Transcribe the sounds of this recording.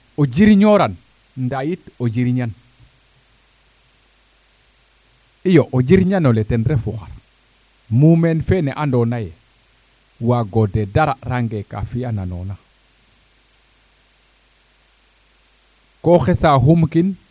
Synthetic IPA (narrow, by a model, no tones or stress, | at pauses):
oɟiɾɲoɾan | ndajitoɟiɾiɲan | ijoʔod͡ʒiɾɲanoletenɾefuxa̰ɾ | mumenfeneʔandonaje | waɡodedaɾaɾaŋɡeka̰fianano̰na | koxesaɦumkin